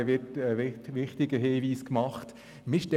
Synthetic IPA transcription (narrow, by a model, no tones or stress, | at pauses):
ʋɪtəʋɪtʋɪχtɪɡəɦeːʋiːskmɑχt | mɪʃtɛ